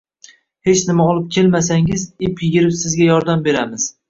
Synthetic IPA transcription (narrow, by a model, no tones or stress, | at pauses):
he̞t͡ʃnɪmaɒlˠɪp̚kʲʰe̞lmasaŋɪzɪpʲɪɡʲɪɾɪpsɪzɡʲajɒɾd̪ambe̞ɾamɪz̥